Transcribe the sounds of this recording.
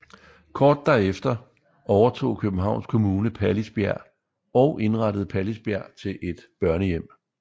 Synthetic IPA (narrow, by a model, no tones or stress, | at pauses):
kʰɒːd̥̚ːæɐefd̥ɐ | ɒʊɐt͡sʰo̝̰ːkʰøb̥n̩ɦɑ̈ʊ̰nskʰo̝muːnəpʰælisb̥jæɐ̰ | ɒʊʔe̝nʁɑɾ̥əð̞̩ˠpʰælisb̥jæɐ̰t͡sʰe̝lʔe̝d̥b̥ɶɐnəjem̰